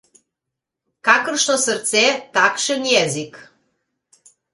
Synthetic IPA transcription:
kakərʃnosərt̪t͡set̪akʃənjɛzik

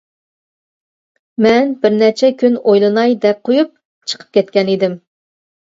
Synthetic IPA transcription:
mɛnbɪɾnɛt͡ʃʰɛkʲʰynojlˠɨnɑjd̪ɛk̚qʰojup̚ | t͡ʃʰə̥qʰə̥p̚kʲʰɛt̪kʲɛnid̪ɪm

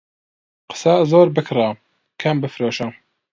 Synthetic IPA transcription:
qə̥sazoːɾbɨkʰra | kʰɐmbɨfɾoːʃɐ

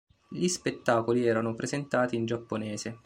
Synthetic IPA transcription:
ʎispet̪ːaːkoliɛːɾanopɾʔezent̪aːt̪iːnd͡ʒapːonɛːse

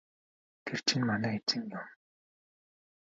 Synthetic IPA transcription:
ɡ̥er̥t͡ɕʰĭnmanæːet͡sɘ̆ŋjʊm

